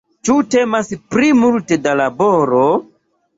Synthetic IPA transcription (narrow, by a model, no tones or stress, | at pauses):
t͡ʃute̞maspɾimultedalaboɾo